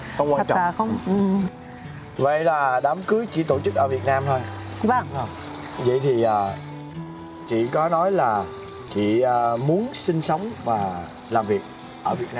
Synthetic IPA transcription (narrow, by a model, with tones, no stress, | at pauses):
xə˧wŋ͡mkwaː˧nt͡ɕɔ̰˨a˧˨˩xə˧wŋ͡mʔɨ˨˩ | və̰˧˨jlaː˨˩ɗa˨˦mkɨ˨˦jt͡ɕḭ˧˩t̪o˧˩t͡ɕɨ˦˥k̚ʔəː˧˩vi˨˩ət̚naː˧mt̪ʰo˧j | və˧˩˧ | və̰˧˨jt̪ʰi˨˩ʔaː˨˩ | t͡ɕḭ˧˨kɔ˨˦nɔ˨˦jlaː˨˩ | t͡ɕḭ˧˨əː˨˩mu˨˦ənsï˧ŋ̟sə˨˦wŋ͡mvaː˨˩ | laː˨˩mvi˨˩ək̚ | ʔəː˧˩vi˨˩ət̚naː˧